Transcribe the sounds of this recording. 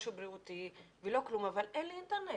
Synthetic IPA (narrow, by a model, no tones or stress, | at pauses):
ʃubɾiut̪i | velo̞klumavalʔenliint̪eʁne